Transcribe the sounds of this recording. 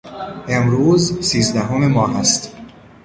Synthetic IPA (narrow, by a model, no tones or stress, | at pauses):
emɾuːzsiːzd̪æɦomemɒːɦæst̪